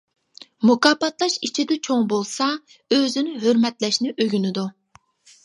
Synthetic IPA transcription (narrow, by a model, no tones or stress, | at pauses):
mukɑːpɑt̪lˠɑʃit͡ʃʰid̪ɛt͡ʃʰoŋbolˠsɑ | øzɪnɪɦøɾmɛt̪lɛʃnɪʔøɡʲynɪd̪u